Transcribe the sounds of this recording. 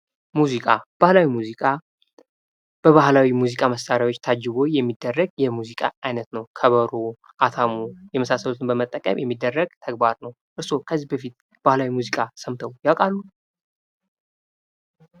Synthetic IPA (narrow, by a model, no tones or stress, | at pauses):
muzikʼab̥ahlawimuzikʼa | b̥əβahlawimuzikʼaməst̪aɾjawo̞t͡ʃːt̪ʰad͡ʒɨɡo̞jɛmːid̪ːərːəɡjɛmuzikʼa̰ajnət̪nəwkʰəβəɾo | ʔat̪ʰamujɛməsasːəlut̪ʰɨnbəmət̪ʼːəkʼə̰mjɛmːid̪ːərːəɡt̪ʰəɡbaɾnəw | ʔɨɾso̞kʰəzːihbəfit̪̚ | b̥ahlawimuzikʼasəmt̪ʰəwjawkʼalːu